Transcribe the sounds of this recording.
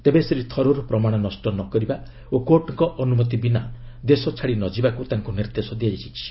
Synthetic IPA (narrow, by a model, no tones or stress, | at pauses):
t̪ebesɾit̪ʰɔɾoɾpɾɔmaɽ̃ɔnɔsʈɔnɔkɔɾiba | okoʈɔŋkɔʔɔnumɔt̪̬ibinad̪esɔt͡ʃʰaɽinɔd͡ʒibakut̪aŋkuniɾd̪esɔd̪iad͡ʒat͡ʃʰit͡ʃʰi̥